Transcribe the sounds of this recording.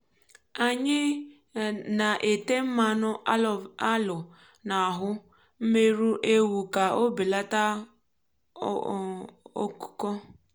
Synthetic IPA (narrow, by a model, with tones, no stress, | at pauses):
a˨ɲɪ˦ | na˨ʔe˨te˦m̩˦ma˨nʊ˦˨a˦lʊ˨ | na˨ɦʊ˦ | m̩˦me˦ɾu˦ʔe˦wu˨ka˨o˦bi˨la˦ta˦ | o̰˦kʊ̥˦kɔ˦